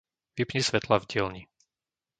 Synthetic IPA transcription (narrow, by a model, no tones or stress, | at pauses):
ʋipɲisʋɛt̪lavɟɪɛlɲi